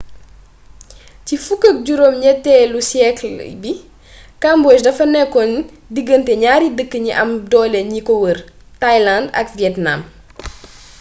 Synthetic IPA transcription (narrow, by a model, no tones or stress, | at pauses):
cifukːək̚ɟuɾomɲɛtːɛlusjɛklbi | kambɔːʃdɐfɐnɛkɔn | diɡːəntɛɲaːɾidəkːəɲiʔɐmdɔːlɛɲikɔwər | tajlandɐ̰kviɛtna̰m